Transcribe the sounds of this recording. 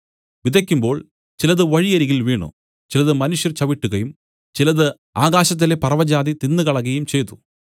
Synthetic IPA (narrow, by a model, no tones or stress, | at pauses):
ʋid̪ʱɐkʲːumbo̞ːɭ | t͡ɕilɐðɨʋɐɻijɐɾiɣilʋiːɳṵ | t͡ɕilɐðɨmɐnuʂjɐrt͡ɕɐʋiʈːuɣɐjum | t͡ɕilɐðɨ | aːɣaːɕɐt̪̬ːilepɐrɐʋɐd͡ʑaːðit̪inːɨɣɐɭɐɣɐjumt͡ɕe̞jt̪u̥